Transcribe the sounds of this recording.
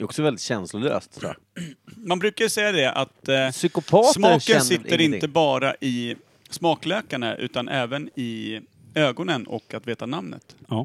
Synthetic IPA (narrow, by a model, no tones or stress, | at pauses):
d̪ɾɔksɔvɛld̪ɪt̪ɕɛnslʊlø̰ːst̪s | manbɾʉ̟ːkajəsɛjːad̪ɛʔa̰t̪sʏkʊpʰɑːsmɑːəɾsɪt̪ːəɾɪnt̪əbɑːɾa̰ʔɪ | smɑːkløːkaɳəʔʉ̟̰ːt̪anʔɛːvənɪ | øːɡɔnənɔ̰kːat̪veːt̪anamnə̰t̪ː